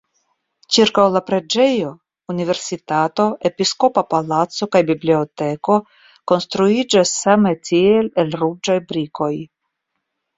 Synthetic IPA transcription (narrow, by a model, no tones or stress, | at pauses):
t͡ʃiɾkawlapɾe̞d͡ʒe̞jo̞ | unive̞ɾsit̪at̪o̞ʔe̞pisko̞papalatso̞kajbibliote̞ko̞ | ko̞nst̪ɾuid͡ʒasːametʰielelɾud͡ʒajbɾiko̞j